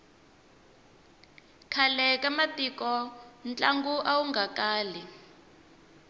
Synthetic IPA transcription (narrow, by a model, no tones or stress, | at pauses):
kʰalɛkamatikɔnt͡ɬʼaŋɡuʔawuŋɡakaːli